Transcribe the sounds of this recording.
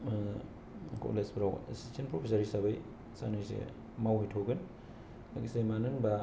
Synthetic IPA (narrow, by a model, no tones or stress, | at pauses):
kʰo̰lesbɾawḛstʰinpɾopʰisaɾisabaj | sa̰najsḛ | mawijtʰoɡɯn | aɡisemanɯŋba